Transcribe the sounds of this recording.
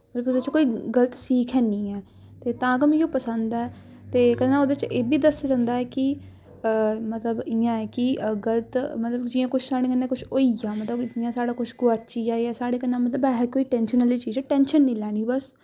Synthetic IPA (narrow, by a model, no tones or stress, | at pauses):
mət̪ləbd̪et͡ʃkoːiːɡələt̪siːkʰɛːnĩːɛː | t̪eːt̪ãːɡəmjõːpəsə̃nd̪ɛː | t̪eːkəd̪nãːoːd̪et͡ʃeːbiːd̪əsd͡ʒãːnd̪aːɛːkɪ | mət̪ləbɪjãːɛːkɪɡələt̪mət̪ləbd͡ʒɪãːkʊt͡ʃʰsaːɽẽːkənːẽːkʊt͡ʃʰoːijaːmət̪ləbd͡ʒɪjãːsaːɽaːkʊt͡ʃʰɡʊaːt͡ʃiːaːiɛːsaːɽeːkənːãːmət̪ləbɛɦɛkoːiːʈɛ̃ːnʃənəliːt͡ʃiːd͡ʒɛːʈɛ̃ːnʃənːĩːlɛːɽ̃iːbəs